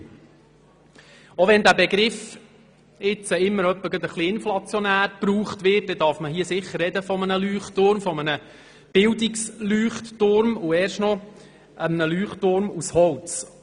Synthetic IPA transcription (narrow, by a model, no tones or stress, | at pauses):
oʋɛnd̪æbɛɡɾɪf | ɪt͡səɪmːəɾœpːəɡ̥ɑd̪əχliɪnflɑt͡sjɔnæːɾpɾuːχt̪ʋɪt̚dɛd̥ɑɾfməhiəsɪχːərːɛd̪əfɔmənəlyːχtʊɾmfɔmənə | b̥ɪld̪ɪkslyːχtːʊɾmʊɛːɾʃtnɔ | əmənəlyːχtʊɾmushɔlt͡s